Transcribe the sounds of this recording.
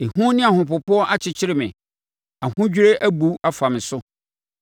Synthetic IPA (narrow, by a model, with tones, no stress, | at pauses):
e˨hũ˦nɪ̃˦a˨hʊ̃˨pʊ˨pʊ˦ɔ˦ʔa˦t͡ɕʰɪ˨t͡ɕʰɪ˦ɾɪ˨mɪ̰̃˨ | a˨hʊ̃˦d͡ʑᶣɾe˦ʔæ˦bu˨a˦fã˨m̃˨sʊ˦